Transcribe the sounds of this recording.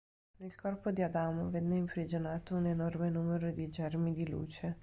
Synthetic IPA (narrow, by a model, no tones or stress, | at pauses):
nelkʰɔrpod̪iad̪aːmovɛnːeimpɾid͡ʒonaːt̪ounenɔrmenuːmeɾod̪id͡ʒɛrmid̪ilṵːt͡ʃe